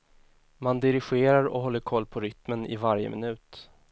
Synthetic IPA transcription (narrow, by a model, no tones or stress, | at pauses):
mand̪ɪɾɪɧeːɾaɾɔ̰ɦɔlːəɾkʰɔlːpʰɔɾʏt̪mənɪ̰vaɾjə̰mɪ̰nʉ̟ːt̪